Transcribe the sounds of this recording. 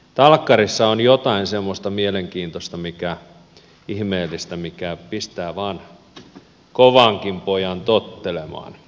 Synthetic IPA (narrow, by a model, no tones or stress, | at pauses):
t̪ɑlkːɑrisːɑonjot̪ɑinsemːost̪ɑmieleŋkiːnt̪ost̪ɑmikæ | ihmeːlːist̪æmikæpist̪æːʋɑːn | koʋɑŋkimpojɑnt̪ot̪ːelemɑ̰ːn